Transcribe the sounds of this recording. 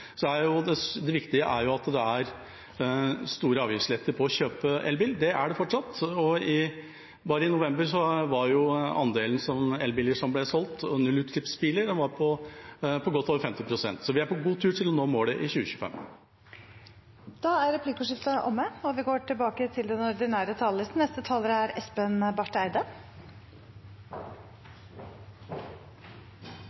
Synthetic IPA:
sɔd̪æɾjʊd̪ɛd̪ɛʋɪkt̪ɪəʔæɾjʊɑt̪d̪ɛæɾ | st̪uːɾəɑːʋjɪfslɪet̪ːəɾpʰɔːɕøːpəʔɛlbɪld̪ɛæɖɛfɔʈʂɑt̪ːɔɪ | bɑːɾəɪnʊʋɛmbəɾsɔʋɑɾjʊɑ̰nd̪eːln̩sɔmɛlbɪːləʂɔmblɛsɔlt̪ɔnʉlːʉːt̪kʰɪpspiləɾɛnʋɑɾpʰɔpʰɔɡɔt̪ʰːoːʋəɾfɛmt̪ɪpʰɾʊsɛ̰nt̪sɔʋɪæɾpʰɔɡuːt̪ʰʉːʈʰɪlɔnoːmoːɖɛʔɪçʉːəçʉ̥ːəfɛ̰mː | d̪̥ɑːæɾɾɛpʰliːkʊʂɪft̪ɑʔɔ̰mːəɔʋɪɡoːʈʰɪlbɑːkət̪ʰɪld̪ɛnɔɾɖ̪ɪnæːɾət̪ʰɑːlləsn̩ɛst̪ət̪ʰɑːləɾæɾɛspənbɑʈːæɪd̪ə

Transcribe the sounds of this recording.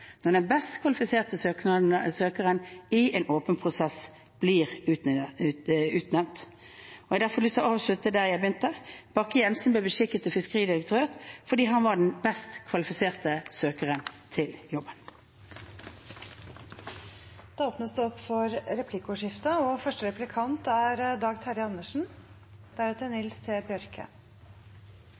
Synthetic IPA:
nɔʁd̪ɛnbɛst̪kʰʋɑlɪfɪseːʁt̪əsøːk̪søːkəʁənɪeːnʔoːpənpʰʁʊsɛs | b̥liːʁ | ʉːt̪nɛʋnt̪ | ɔjɛɡd̪æfɔʁlyːsəʔɑːʋʂɭʉt̪əd̪æːʁjæɪbjʏnt̪əb̥ɑkːəjɛnsn̩blɛːbəʃɪkət̪ɔfɪskəʁiːd̪ɪʁək̚t̪ʰøːʁt̪fɔʁd̪iːɦɑnʋɑɖɛnbɛst̪kʰʋɑlɪfɪseːʁt̪əsøːkəʁənt̪ʰɪljɔbən | d̪̥ɛoːpnəsd̪ʉɔpːfɔɾɾɛpʰlɪkʊʂɪft̪əɔfœʂʈəɾɛplɪkʰɑnt̪æɾd̪ɑːɡt̪ʰhɑɾɪɑnːəʂɳ̩ | d̪̥æɾɛt̪əɾnɪlst̪ʰɪbɪœɾkʰə̰

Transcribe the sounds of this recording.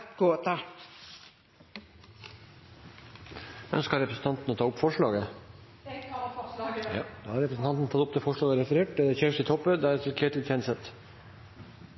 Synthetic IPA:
ɡ̥oːt̪ʰɑ | œ̰nskəɾɛpɾəsn̩t̪ʰɑnt̪n̩oːt̪ʰɑːʊpfɔʂɭɑːɡə | d̪ɑːhɑɾɛpɾəsn̩t̪ɑnt̪n̩t̪ʰɑt̪ʊp̚d̪ɛfɔʂɭɑːɡəɾɛfəɾeːʈ̚d̪ɛæçeʂɪt̪ʰɔpːəd̪ɛæɾɛt̪ʰɪlkʰeːt̪lɪjɛnsət̪

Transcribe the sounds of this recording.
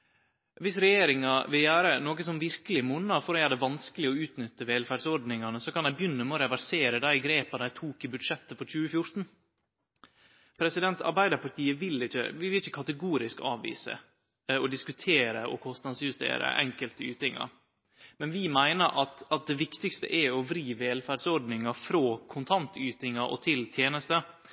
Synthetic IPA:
ʋɪsɾɛjeːɾɪŋɑʋɪljæːɾənoːɡəsɔmʋɪɾkəlɪmʊnːɑfɔɾɔæɖ̪ɛʋɑnskəlɪɔʉːt̪nʏt̪ːəʋeːlfæɖsɔɾɖnɪŋɑnəsɔkɑnæɪbjʏnːəmɛɔɾɛʋæɾseːɾəd̪æɪɡɾeːpɑæɪt̪ʰuːkɪbʉd̪ʂɛt̪ːəfɔɾt͡ʃʉːəfjʊɾt̪n̩ | pʰɾɛsɪd̪ɛnt̪ʰɑ̰ɾbæɪd̪ɑɾpʰɑʈt̪ʰiːəʋɪlɪçə̰ʋɪʋɪlɪçəkʰɑt̪əɡuːɾɪskɑ̰ːʋʋḭːsə̰ | ɔd̪ɪskʉt̪ʰeːɾəʔɔ̰kʰɔst̪nɑd̪sjʉst̪ḛːɾə̰ʔɛ̰ŋkəlt̪əʉːt̪ɪŋɑ̰ɾ | mɛnʋɪmæɪnəɾʔɑt̪ɑt̪̚d̪ɛʋɪkt̪ɪkst̪ə̰ʔɛɔʋɾiːʋeːlfæɖsɔɾɖ̪nɪŋɑfɾoːkʰʊnt̪ʰɑnt̪ʉːt̪ɪŋɑʔɔ̰t̪ʰɪlt̪ʰjeːnəst̪ə

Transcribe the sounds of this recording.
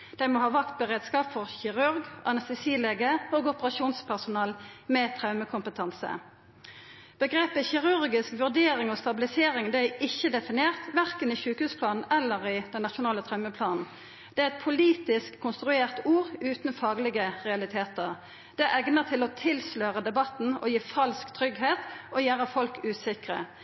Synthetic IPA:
d̪̥æɪmoːhɑːʋɑkt̪̚bəʁeːd̪skɑːpfɔʁçɪʁʉʁɡʔɑnɑst̪ɛsiːleːɡəoːɡɔpəʁɑʃuːnspʰæʁsʊnɑːlmɛːt̪ʰʁɑʉməkʰʊmpət̪ʰɑnsə̰ | b̥əɡʁeːpəçɪʁʉʁɡɪskʋʉʁd̪eːʁɪŋɔːst̪ɑbɪlɪseːʁɪŋd̪æɪɪçːəd̪ɛfɪneːʁt̪ʋæʁkənɪçʉːkhʉːspʰlɑːnn̩ɛlːəʁɪd̪̥ɛnnɑtʃʊnɑːlət̪ʰʁɑʉməpʰlɑːnn̩ | d̪̥ɛæɛt̪̚pʰʊliːt̪ɪskʰːʊnst̪ʁʉeːʁt̪uːʁʉːt̪n̩fɑːɡlɪɡəʁɛɑlɪt̪ʰeːt̪əʁ | d̪̥ɛʔɛɡnəʁt̪ʰɪlɔt̪ʰɪlsløːʁəd̪ɛbɑt̪n̩ɔ̰jiːfɑlskt̪ʰʁʏɡheːt̪ɔjæːʁəfɔlkʉːsɪkʁə̰

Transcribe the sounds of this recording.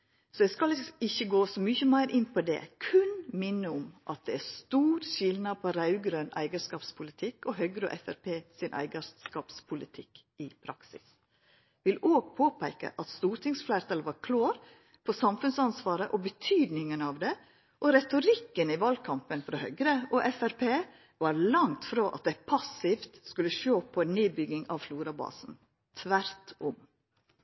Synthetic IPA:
sɔd̪ɛskɑlɪçːəɡoːsɔmyçəmæɪɾʔɪnːpʰɔd̪ɛ̰ːkʰʉnmɪnːəʊmʔɑt̪̚d̪ɛæɾst̪uːɾɕɪlnɑd̪pʰɔɾɑʉɡɾøːnæ̰ɪɡəʂkɑːpspʰʊlɪt̪ʰɪkːɔɦœɡɾɔ̰ʔɛfæɾpʰeːsɪnʔæ̰ɪɡəkɑːpspʰʊlɪt̪ʰɪk | ɪpʰɾɑksɪ̰s | ʋɪloːɡ̚pʰoːpʰæɪkə̰ʔɑt̪st̪uːɾʈ̪ɪŋsflæɪɾt̪ʰɑlʋɑɾkʰlɑːɾ | pʰɔsɑmfʉnsɑnsʋɑːɾəʔɔbət̪ʰyːd̪nɪŋənɑʋd̪ɛ | ʔɔɾɛt̪ʊɾɪkːənɪʋɑlkʰɑmpənfɾɑhœɡɾəʔɔʔɛfæɾpʰeː | ʋɑɾlɑŋt̪fɾoːʔɑt̪̚d̪ɛpʰɑsɪft̪skʉlːəʃoːpʰɔneːbʏɡɪŋɑʋfluːɾɑbɑ̰ːsn̩ | t̪ʰʋæɾt̪ɔm

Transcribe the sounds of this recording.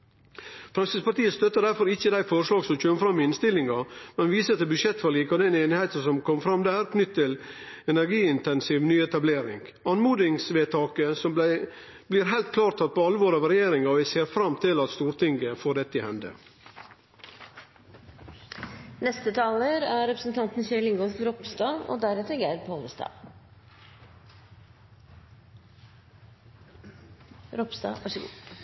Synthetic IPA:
fɾɑnsɪspɑʈ̪t̪iːəst̪œt̪ːəɖæɾfɔɾɪçːəd̪æɪfɔɾʂɭɑːɡsɔmc͡çøːməfɾɑmɪɪnst̪ɪlɪŋɡɑmɛnʋiːsət̪ɛbʉdʂjɛt̪fɔɭiːkɔd̪ɛneːnɪheɪt̪əsɔmkʰɔmfɾɑmd̪æːɾknʏt̪ʰːt̪ːɪl | ɛnæɾɡiːɪnt̪ɛnsiːʋnyːɛt̪ɑbleːɾɪ̰ŋɡ | ɑnmuːd̪ɪŋsʋeːt̪ʰɑːkəsɔmæ | bliːɾɦæɪlt̪̚kʰlɑːʈt̪ʰɑt̪̚ːpʰɔɑlːəʋoːɾɑʋɾɛjeːɾɪŋɑʋɪseːɾfɾɑmt̪ʰɪlɑt̪st̪uːɾt̪ɪŋɡəfoːɖɛt̪ːəɪhɛnd̪ə̰ | nɛst̪ət̪ʰɑːləɾæɾɛpɾəsn̩t̪ʰɑnt̪n̩ɕɛlɪŋɡɔkɾɔpst̪ɑːo̰ːd̪æɾɛt̪əɾɡæpʰoːləst̪ɑ̰ː | ɾɔpsd̪ɑ̰ʋɑʂəɡṵː

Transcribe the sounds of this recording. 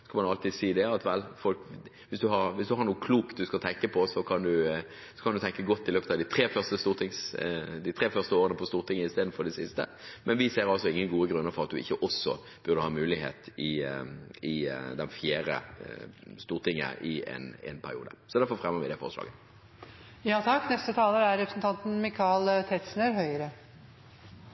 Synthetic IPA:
skɑmɑnɑlt̪iːd̪siːd̪ɛɑt̪ʋɛlfɔlk | ʋɪsd̪ʉɦɑɾʋɪsd̪ʉhɑɾnuːəkʰluːk̪̚d̪ʉskɑt̪ʰɛŋkəpʰɔsɔkʰɑnd̪ʉ | sɔ̥kʰɑnd̪ʉt̪ʰɛŋkəɡɔt̪ːɪløːpət̪ɑd̪ɪt̪ʰɾeːfœʁst̪əst̪uːɾt̪ʰɪŋsd̪ɪt̪ʰɾeːfœʁst̪əoːɾənəpʰɔst̪uːɾt̪ʰɪŋːəɪst̪eːd̪n̩fɔɖ̪ɛsɪst̪ə̰mʔɛnʋɪseːɾɑlsɔɪŋːənɡuːəɡɾʉnːəɾfɔʁɑt̪̚d̪ʉɪ̰çːəʔɔsːɔ | b̥ʉʁd̪əhɑːmʉːlɪhḛːt̪ɪ | ɪd̪ɛnfjæːɾə̰ | st̪uːʁt̪ɪŋːə̰ʔɪɛ̰nɛ̰npʰæɾɪṵːd̪ə̰sɔd̪æɾfɔɾfʁɛmːəʋɪd̪ɛfɔ̰ʁslɑ̰ːɡə | jɑːt̪ʰɑkːnɛst̪ət̪ʰɑːləɾæɾɛpɾəsn̩t̪ʰɑnt̪n̩mɪkʰɑlt̪ʰɛt̪snəɾɦœʏəɾə

